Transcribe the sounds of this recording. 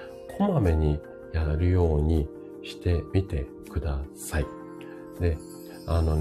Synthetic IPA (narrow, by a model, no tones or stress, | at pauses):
kʰomame̞ɲ̟i | jaɾɯ̟jo̞ːɲ̟i | ɕi̥t̪e̞mʲit̪e̞ | kɯ̟d̪asai | d̪e̞ | ano̞